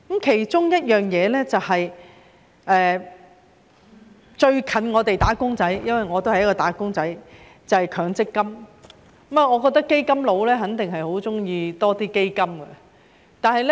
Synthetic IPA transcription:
kɐ˨˥mkʰe˨˩jt͡ʃʊ˥ŋjɐ˥t̚jœː˨ŋjɛː˨˧lɛː˥t͡sɐ˨whɐ˨j | ʔɛː˨ | t͡ʃɵ˧ɥkʰɐ˨˥nŋɔː˨˧t̪e˨jt̪aː˨˥kʊ˥ŋt͡sɐ˨˥jjɐ˥nwɐ˨jŋɔː˨˧t̪o˥wɐ˨jɐ˥kːɔː˧t̪aː˨˥kʊ˥ŋt͡sɐ˨˥j | t͡sɐ˨˩hjkʰœː˨˧ŋt͡sɪ˥kːɐ˥m˨˦ | m˨˩ŋɔː˨˧kɔ˧k̚t̪ɐ˥kːe˥jkɐ˥mlo˨˧wlɛː˥ɦɐ˨˥nt̪ɪ˨ŋɦɐ˨jho˨˥wt͡sʊ˥ŋjiː˧t̪ɔː˥t̪iː˥ke˥jkɐ˥mɡɐ˧ | t̪aː˨˩nɦɐ˨jlɛ˥

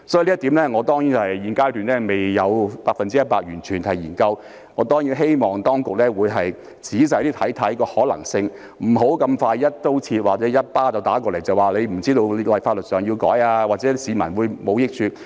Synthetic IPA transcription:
sɔ˨˥˨li˥t̪iː˨˥mlɛː˥ŋɔː˨˧t̪ɔː˥ŋji˨˥t͡sɐ˨hɐ˨˩jjiː˨˩nkaː˥jt̪yː˨nlɛː˥me˨jjɐ˨˧wpaː˧k̚fɐ˨nt͡siː˥ɐ˥t̚paː˧k̚jyː˨˩nt͡ʃʰyː˨˩ntɐ˨˩jiː˨˩nkɐ˧w | ŋɔː˨˧˥t̪ɔː˥ŋjiː˨˥nɦe˥jmɔː˨ŋt̪ɔː˥ŋkʊ˨k̚lɛː˥wuː˨˧jɦɐ˨j | t͡siː˨˥s̬ɐ˨˧˥t̪iː˥t̪ʰɐ˨˥jt̪ʰɐ˨˥jkɔː˧hɔː˨˥lɐ̰˨˩ŋsɪ˧ŋ | m̩˨˩ɦo˨˥wkɐ˧mfaː˧jjɐ˥t̚t̪o˥wt͡sʰiː˧t̚waː˨˩t͡sɛː˨˧˥jɐ˥t̚paː˥t͡sɐ˨wt̪aː˨˥kɔː˧le˨˩jt͡sɐ˨waː˨˩le˨˧jm̩˨˩t͡siː˥t̪o˧wllɐ˨˩jfaː˧t̚lɵ˨t̚sœː˨ŋji˧wkɔ̰ː˨˥jaː˧waː˨t̚t͡sɛ˨˦˥siː˨˧mɐ˨˩nwuː˨˧jmo˨˧wjɪ˥k̚t͡ʃʰyː˧

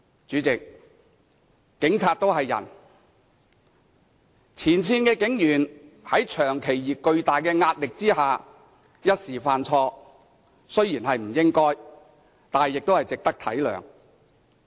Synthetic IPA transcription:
t͡ʃyː˨˥t͡sɪ˨k̚ | ɪ˨˥ŋt͡sʰaː˧t̚t̪o˥wɦɐ˨jːɐ̰˨˩n | t͡sʰiː˨˩nt͡sʰiː˨˥nkɛː˧kɪ˨˥ŋjyː˨˩nhɐ˨˥jt͡ʃʰœː˨˩ŋkʰe˨˩jjiː˨˩kɵ˧ɥt̪aː˨jkɛː˧ŋaː˧t̚lɪ˨k̚t͡siː˥haː˨ | jɐ˥t̚siː˨˩faː˨nt͡sʰɔː˧ | sɵ˥ɥjiː˨˩nɦɐ˨jm̩˨˩jɪ˥ŋkɔː˥j | t̪aː˨n˨jɪ˨k̚t̪o˥whɐ˨jt͡sɪ˨k̚t̪ɐ˥k̚t̪ʰɐ˨˥jlœ̰ː˨˩ŋ

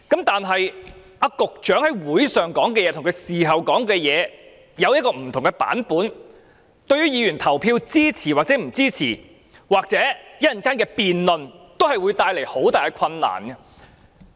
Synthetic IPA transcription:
kɐ˨˥mt̪aː˨nɦɐ˨j | a˧kʊ˨k̚t͡ʃœː˨˥ŋhɐ˨˥jwuː˨˥jsœː˨ŋkɔː˨˥ŋk̬ɛː˧jɛː˧t̪ʰʊ˨ŋkʰjsiː˨˩ɦɐ˨wkɔː˨˥ŋkɛː˧jɛː˨˧ | jɐ˨˧wjɐ˥t̚kɔː˧m̩˨˩t̪ʰʊ˨˩ŋkɛ˧pa̰ː˨˥npuː˨˥n | t̪ɵ˧ɥjyː˥jiː˨˧jyː˨˩nt̪ʰɐ˨˩wpʰiː˧wt͡siː˥t͡sʰiː˨˩waː˨k̚t͡sɛː˨˥m̩˨˩t͡siː˥t͡sʰiː˨˩ | waː˨k̚t͡sɛː˨˥jɐ˥ɐ˨nkaː˥nkɛː˧piː˨nlɵ˨nt̪o˥whɐ˨jwu˨˧jt̪aː˧jle˨˩jho˨˥wt̪aː˨jkɛ˧kʷʰɐ˧nːa̰ː˨˩nɡɐ˧

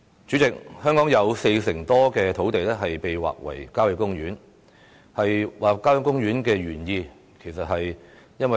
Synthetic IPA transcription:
t͡ʃy˨˥t͡sɪ˨k̚hœː˥ŋkɔː˨˥ŋjɐ˨˧wse˧jsɪ˨˩ŋt̪ɔː˥kɛː˧t̪ʰo˨˥wt̪e˨jlɛ˥ɦɐ˨jpe˨jwa̰ː˨k̚wɐ̰˨˩jkaː˥wjɐ˨˥kːʊ˥ŋɥyː˨˥n | hɐ˨jwaː˨kaː˥wjɐ˧˥kʊ˥ŋjyː˨˥nkɛː˧ɥyː˨˩njiː˧ | kʰe˨˩jsɐ˨t̚ɦɐ˨j | jɐ˥nwɐ˨

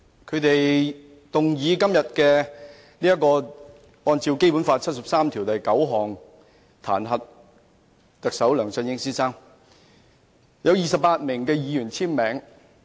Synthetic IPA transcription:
kʰɵ˨˧ɥt̪e˨j | t̪ʊ˨ŋjiː˨˧kɐ˥mjɐ˨t̚kɛː˧ | niː˥jɐ˥t̚kɔː˧ | ɔː˧nt͡siː˧wke˥jpuː˨˥nfaː˧t̚t͡sʰɐ˥t̚sɐ˨p̚saː˥mt̪ʰi˨˩wt̪ɐ˨jkɐ˨˥wɦɔː˨˩ŋ | t̪ʰa̰ː˨˩nɦɐ˨t̚ | t̪ɐ˨k̚sɐ˨˥wlœː˨˩ŋsɐ˧njɪ˥ŋsiː˥saː˥ŋ | jɐ˨˧wjiː˨˩sɐ˨p̚paː˧t̚mɪ˨˩ŋkɛː˧jiː˨˧jyː˨˩nt͡sʰiː˥nmɛː˨ŋ

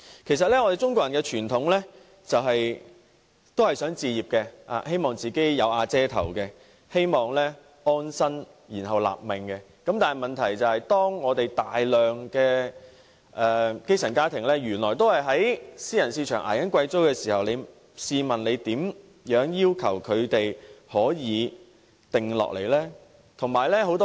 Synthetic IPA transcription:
kʰe˨˩js̬ɐ˨t̚lɛ˥ŋɔː˨˧t̪e˨jt͡ʃʊ˥ŋkʷɔː˧˥jɐ˨˩nkɛː˧t͡ʃʰyː˨˩nt̪ʰʊ˨˥ŋlɛ˥ | t͡sɐ˨wɦɐ˨j | t̪o˥whɐ˨jsœː˨˥ŋt͡siː˨˧jiː˨˩p̚kɛ˧a̰ː˨he˥jmɔː˨˩ŋt͡siː˨ke˨˥jjɐ˨˧waː˧t͡sɛː˥t̪ʰɐ̰˨˩wkɛ˧ | he˥jmɔː˨˩ŋlɛ˥ | ʔɔː˥nsɐ˥n | jiː˨˩nɦɐ˨˩wla̰ː˨p̚mɪ˨ŋkɛ˧ | kɐ˨˥mt̪aː˨nhjmɐ˨nt̪ʰɐ˨˩jt͡sɐ˨whɐ˨jt̪ɔː˥ŋŋɔː˨˧t̪e˨jt̪aː˨jlœː˨˩ŋkɛː˧ | ʔɛː˨˧ke˥jsʰɐ˨˩nkaː˥t̪ʰɪ˨˩ŋlɛː˥jyː˨˩nlɔː˨˩jt̪o˥whɐ˨˩jɦɐ˨˥jsiː˥jɐ˨˩nsiː˧t͡ʃʰœː˨˩ŋʔa̰ː˨˩jɐ˨˥nkʷwɐ˧jt͡so˥wkɛː˧siː˨˩hɐ˨wle˨˧j | siː˧mɐ˨nle˨˧jt̪iː˨˥m | jœː˨˥ŋjiː˥wkʰɐ˨˩wkʰɵ˨˧ɥt̪e˨jhɔː˨˥jiː˨˧ | t̪ɪ˨ŋlɔ̰ː˨k̚lḛ˨˩jlɛː˥ | t̪ʰʊ˨˩ŋmaː˨˩jlɛː˥ho˨˥wt̪ɔ˥

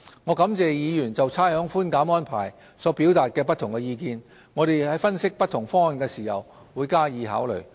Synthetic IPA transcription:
ŋɔː˨˧kɐ˨˥mt͡sɛː˨jiː˨˧jyː˨˩nt͡sɐ˨wt͡sʰaː˥hœː˨˥ŋfuː˥nkaː˨˥mɔː˥npʰa̰ː˨˩j | sɔː˨˥piː˨˥wt̪aː˨t̚kɛː˧p̬ɐ˥t̪ʰʊ˨˩ŋkɛ˧jiː˧kiː˧n | ŋɔː˨˧ɾe˨jhɐ˨˥jfɐ˥nsɪ˥k̚pɐ˥t̪ʰʊ˨˩ŋfɔː˥ŋhɐ˨˩nkɛː˧siː˨˩hɐ˨w | wuː˨˧jkaː˥jiː˨˧ɦa̰ː˨˥wlɵ̰˨˩ɥ

